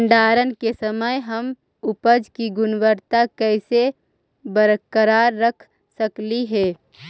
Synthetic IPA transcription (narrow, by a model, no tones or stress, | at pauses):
ɳɖaːɾənkesəməjɦəm | ʊpəd͡ʒkiɡʊnwəɾt̪akɛɪse | bəɾəkəɾaːɾːəkʰ | səkliɦɛː